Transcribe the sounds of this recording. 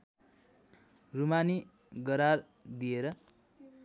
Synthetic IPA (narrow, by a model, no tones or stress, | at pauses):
rumani | ɡʌɾar | d̪ijeɾʌ